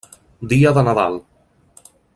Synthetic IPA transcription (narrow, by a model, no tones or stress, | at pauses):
d̪iəðənaða̰lˠ